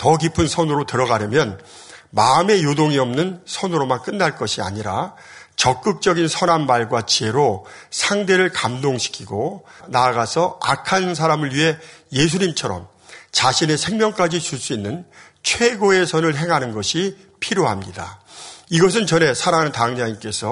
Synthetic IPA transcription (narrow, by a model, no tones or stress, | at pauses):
tʌkipʰɯnsʰʌnɯɾotɯɾʌɡaɾjʌmjʌn | maɯme̞jodoŋiʌmnɯnsʰʌnɯɾomank͈ɯnːaɭk͈ʌɕʰia̰ɲiɾa | t͡ɕʌk̚k͈ɯk̚t͡ɕ͈ʌɡinsʰʌnanmaɭɡwat͡ɕiɦe̞ɾosʰaŋde̞ɾɯɭkamdoŋɕʰi̥kʰiɡonaɡasʰʌakʰans̬ʰaɾamɯɭɥiɦe̞je̞s̬ʰuɲimt͡ɕʰʌɾʌ̰m | t͡ɕaɕʰine̞sʰe̞ŋmjʌŋk͈ad͡ʑit͡ɕuɭs͈uinːɯn | t͡ɕʰwe̞ɡoe̞sʰʌnɯɭɦe̞ŋɦanɯnɡʌɕʰi | pʰiɾjoɦamɲida̰iɡʌs̬ʰɯnt͡ɕʌne̞sʰaɾaŋɦanɯntaŋd͡ʑaɲimk͈e̞sʰʌ